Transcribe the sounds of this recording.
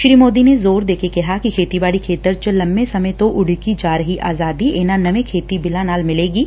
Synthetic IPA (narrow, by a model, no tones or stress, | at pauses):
ʃɾiːmoːd̪inezoːɾd̪eːkekɐɦakikʰeːt̪ibaːɽikʰeːt̪əɾt͡ʃəlɐ̃mbesɐmət̪oʔʊɽ̤ikid͡ʒaːɾəɦiʔaːzaːd̪ieːnanɐʋẽkʰeːt̪ibɪlanaːlmɪleːɡiː